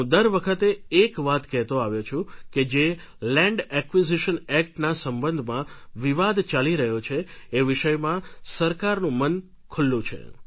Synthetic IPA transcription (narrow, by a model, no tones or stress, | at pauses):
ũd̪əɾʋəkʰət̪eːkʋat̪kɛɦt̪õaʋjot͡ʃʰũked͡ʒe | lɛ̃ɳɖɛkʋiziʃənɛkʈnasəmbənd̪ʱmãʋiʋad̪t͡ʃaliɾəɦjot͡ʃʰeːʋɪʃəjmãsəɾkaɾnũmən | kʰʊlːũt͡ʃʰḛ